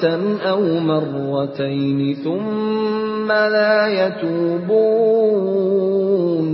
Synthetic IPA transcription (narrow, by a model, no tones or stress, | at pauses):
anʔawmɑrˤːɑt̪ajnɪθʊmː | alaːjat̪uːbuː | n